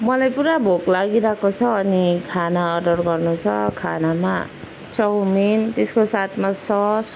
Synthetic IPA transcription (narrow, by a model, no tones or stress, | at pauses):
mʌlajpuɾabʱoklaɡiɾakot͡sʰʌːnikʰanaʌɖʌrɡʌrnut͡sʰʌ̰kʰanama̰ | t͡sʌwmint̪eskosat̪ʰmasʌs